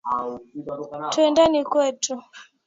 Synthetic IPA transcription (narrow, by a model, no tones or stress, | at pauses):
tuɛndanikwɛtu